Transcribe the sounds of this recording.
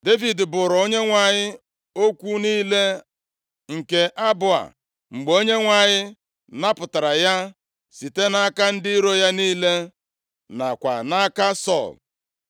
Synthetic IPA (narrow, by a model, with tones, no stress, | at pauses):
de˦vi˨dbʊ˨ɾo˦ɲe˦ŋʷa˨ɲɪ˦ | o˦kʷu˦niː˦le˦ | ŋ̩˨ke˨ʔa˦bʊ˨a̰˨ | ŋ͡m̩˨ɡ͡bo˦ɲe˦ŋʷa˨ɲɪ˦ | na˦pʊ˨ta˨ɾa˨ja˦ | si˨te˦na˦ka˦n̩˦dɪ˦i˦ɾo˦ja˦niː˦le˦ | na˨kʷa̰˨na˦ka˦sɔ̰˦˨l